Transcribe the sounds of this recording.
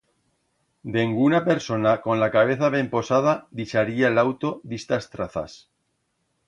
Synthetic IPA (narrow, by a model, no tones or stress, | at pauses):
d̪eŋɡunape̞ɾso̞nako̞nlakaβ̞e̞θaβe̞mpo̞sað̞aðit͡ʃaɾiaelawt̪o̞ðest̪ast̪ɾaθa̰s